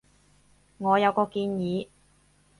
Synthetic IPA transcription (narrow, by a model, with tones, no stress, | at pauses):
ŋɔː˨˧jɐ˨˧wkɔː˧kiː˧njiː˨˥